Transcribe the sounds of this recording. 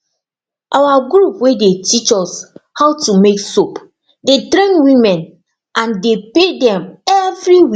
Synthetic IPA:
ʔawaɡɹupwedetit͡ʃɔshaʊtumeksop | dedɾɛ̃ŋwĩmɛ̃n | ʔãndepedɛ̃mɛvɹiwi

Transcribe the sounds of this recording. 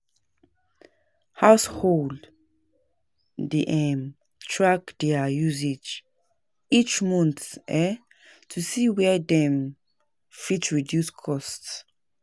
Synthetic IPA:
haʊshol | diʔɛm | tʰɹakd̥ɛajuzed͡ʒ | it͡ʃmɔ̃nθsɛ | tʰusiwɛdɛ̃m | fitɹidjuskʰɔsts

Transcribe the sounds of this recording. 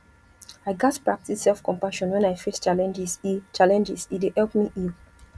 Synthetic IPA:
aɪɡatpɹak̚tisɛlˠfkɔ̃mpaʃɔ̃nwɛ̃najfest͡ʃalɛ̃nd͡ʒisit͡ʃalɛ̃nd͡ʒisidehɛlˠpmiʔil

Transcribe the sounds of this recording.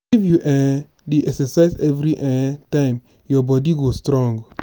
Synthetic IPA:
ivjuʔɛ̃ | deʔɛksɛsaɪzɛvɾiʔɛ̃tãm | jɔbɔdiɡostɾɔ̃ŋɡ

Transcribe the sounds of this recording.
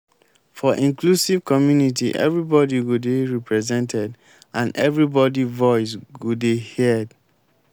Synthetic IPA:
fɔʔĩŋklusiv̥kɔmjunitḭʔɛ̰vɹibɔdiɡudeɹipɹɛzɛ̃ntɛd | ãnʔɛvɹibɔdivɔɪs̬ɡudehid

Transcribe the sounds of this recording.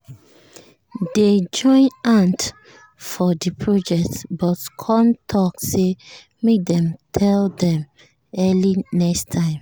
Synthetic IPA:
ded͡ʒɔ̃ɪ̃nãnt | fɔdipʰɹod͡ʒɛk̚tbɔtkʰɔ̃ntʰɔkse | medɛ̃mtʰɛldɛ̃m | ɛlinɛkstʰãɪ̃m

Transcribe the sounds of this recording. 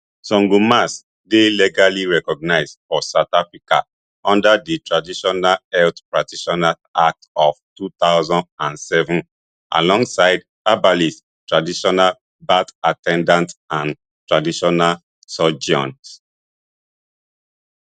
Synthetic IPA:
sɔ̃ŋɡumas | deliɡaliɹɛkɔɡ̚naɪzdfɔsaʊtafɹika̰ | ɔ̃ndaditʰɹadiʃɔnalɛltpɹatiʃɔnal | ak̚tɔv̥tut̪aʊzɔ̃ndãnsɛvũn | ʔa̰lɔ̃ŋɡsaɪd | abalis | tɹadiʃɔnal | batatʰɛ̃ndãntãn | tɹadiʃɔnal | sɔd͡ʒɔ̰̃nt

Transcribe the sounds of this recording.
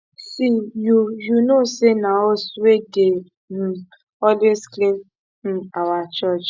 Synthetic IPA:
sijujunosenaɔsuweɡe | m̩ | ɔlwesklĩn̩ | awat͡ʃɔt͡ʃ

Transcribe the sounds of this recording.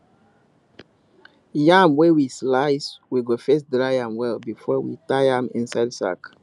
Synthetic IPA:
jãmwɛwislaɪswiɡofɛsdɹajãmwɛlbifɔwḭtajãmḭ̃nsaɪdsa̰k

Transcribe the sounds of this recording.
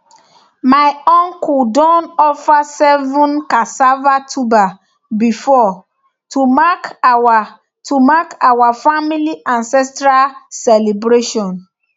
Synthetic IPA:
maɪɔ̃ŋkudɔ̃nɔfasɛvũnkasavatʰuba | bifɔ | tumaka | tumakawafamiliʔãnsɛstɾalsɛlebɾeʃɔ̃n

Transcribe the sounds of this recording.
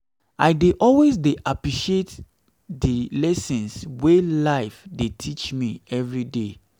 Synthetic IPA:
aɪdeʔɔlwezdeʔapɹiʃiet | dilɛsɛ̃nswelaɪfdetʰit͡ʃmiɛvɹide

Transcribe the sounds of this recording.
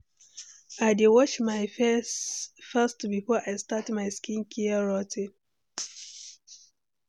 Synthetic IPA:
aɪdɪwɔt͡ʃmaɪ | fastbifɔʔaɪstatmaɪskĩnkʰiaɹɔtʰɪ

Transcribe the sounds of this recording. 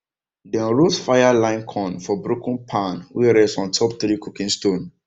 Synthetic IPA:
dɛ̃nɹotfajalãɪ̃nkʰɔ̃nfɔbɾokʰũnpʰãnwiɾɛssɔ̃ntʰɔp̚t̪ɾikʰukĩnstõn

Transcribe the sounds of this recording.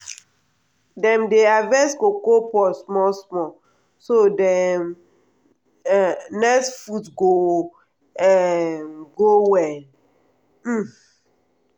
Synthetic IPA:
dɛ̃mdeavɛ̃sɡokopɔsmɔsmɔ | sodɛm | nɛkstfutɡo | ɛɡowɛ

